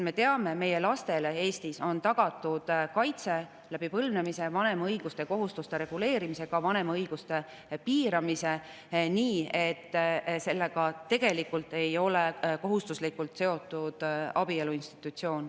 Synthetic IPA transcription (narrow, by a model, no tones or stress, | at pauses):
me̞t̪e̞ɑme̞me̞je̞lɑst̪e̞le̞e̞ːst̪iso̞nt̪ɑɡ̥ɑt̪ːˑud̪̥kɑjt̪se̞ | læb̥ipɤlvne̞mise̞vɑne̞mɑɤjɡ̥ust̪e̞ko̞ɦust̪ust̪e̞ɾe̞ɡ̥ule̞ːɾimise̞ɡ̥ɑvɑne̞mɑɤjɡ̥ust̪e̞ | piːɾɑmise | niːet̪ːse̞lːe̞ɡɑt̪e̞ɡe̞likːult̪ːe̞jo̞lekoɦust̪uslikult̪se̞o̞t̪ːˑud̪̥ɑ̰b̥ie̞luinst̪i̥t̪ːˑut̪ʲsio̞ːn